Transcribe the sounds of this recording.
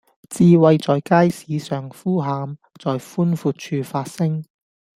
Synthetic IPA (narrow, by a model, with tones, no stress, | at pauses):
t͡siː˧wɐ˧jt͡sɔː˨jkaː˥jsiː˨˧˦sœː˨˩ŋfuː˥ɦaː˨˧m | t͡sɔː˨jfuː˥nfuː˧t̚t͡ʃʰyː˧faː˧t̚sɪ˥ŋ